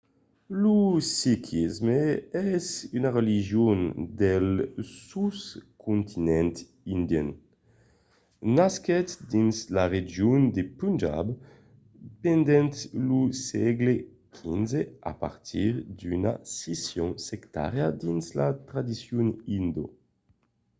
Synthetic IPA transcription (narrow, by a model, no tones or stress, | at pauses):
lusikʰizmeɛzynaʁeliʒjond̪elsuskʰunt̪ʰinɛnt̪ | ind̪jḛn | naskɛt̪d̪inslaʁed͡ʒjund̪epund͡ʒa̰b | pend̪ɛnt̪lusɛɡle | kʰinzea̰pa̰ʁt̪ʰiʁd̪yna̰sesjɔŋsekt̪a̰ʁjad̪inslat̪ɾad̪isjunind̪o̰